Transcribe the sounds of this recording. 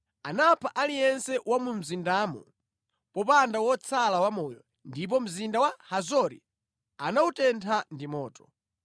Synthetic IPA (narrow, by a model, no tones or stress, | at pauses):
anapʰaʔalijɛnsɛwamum̩zindaːmṵ | pɔpandawɔt͡sʰalawamɔjɔ̰ | ndip̬ɔm̩zindawahazɔɾḭ | anautɛntʰandimɔːtɔ̥